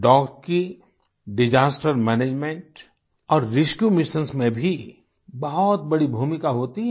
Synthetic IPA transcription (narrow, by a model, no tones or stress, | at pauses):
ɖɔːkski | ɖɪd͡ʒaːsʈəɾmɛːneːd͡ʒmẽɳʈ | ɔːɾːɪʃkjumɪʃə̃nsmẽbʱi | bɐɦɔt̪̚bɐɽibʱuːmɪkaɦoːt̪iɦɛ